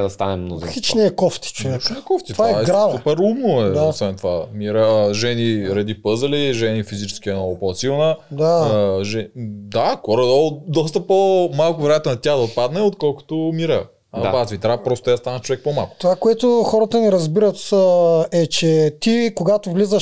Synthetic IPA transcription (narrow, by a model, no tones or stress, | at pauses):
ɛd̪ɐst̪a̰nɛmːno̰zḭsit͡ʃnɛːkɔft̪i̥t͡ʃovɛɛkɔft̪it̪ovaɛaɛɡɾsavupɛɾumnoɛd̪aosvɛnt̪ova̰miɾəʒɛniɾɐd̪ipɤzɐliʒɛnifizit͡ʃɛ̥sk̟ʲiɛnɔɡʊpɔsilˠnəd̪aʒɛd̪axɔɾɐd̪od̪ɔs̬t̪əpomalˠkʊvɛɾɛjat̪onɐt̪ʲaxd̪ɐot̪̚pad̪nɛot̪kɔlˠko̥t̪omiɾə | d̪abat̪vit̪ɾapɾɔst̪ot̪ast̪anət͡ʃovɛk̚poma̰lˠko̥t̪ovakoɛt̪ʊxɔɾət̪ənɛɾɐzbiɾət̪əɛt͡ʃɛt̪ikoɡat̪ovlizəʃ